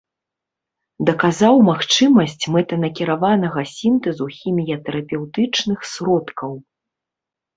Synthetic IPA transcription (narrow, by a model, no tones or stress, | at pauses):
d̪ɐkazawmaxt͡ʂɨmɐsʲt͡sʲmɛt̪ɐnɐkʲiɾavanɐɣɐsʲimt̪ɛzuxʲimʲijɐt̪ɛɾɐpʲɛwt̪ɨt͡ʂnɨxsɾɔt̪kʰɐw